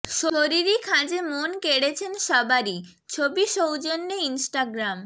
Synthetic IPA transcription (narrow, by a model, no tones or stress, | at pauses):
ʃooɾiɾikʰãd͡ʑemonkeɽet͡ɕʰenʃɔbaɾi | t͡ɕʰobiʃowd͡ʑonːeinsʈaɡɾam